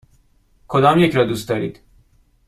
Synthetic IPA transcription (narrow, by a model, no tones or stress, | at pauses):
kʰod̪ɒːmjecɾɒːd̪uːst̪d̪ɒːɾḭːd̪̥